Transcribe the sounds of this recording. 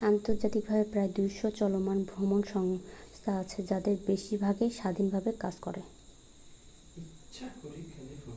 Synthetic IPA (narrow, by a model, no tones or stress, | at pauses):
ant̪oɾd͡ʑat̪ik̚bʱabepɾaed̪ujʃot͡ɕɔlomanbʱɾomonʃɔŋst̪ʰaat͡ɕʰed͡ʑad̪eɾbeʃibʱaɡeʃad̪ʱinbʱabekad͡ʑko̰ɾe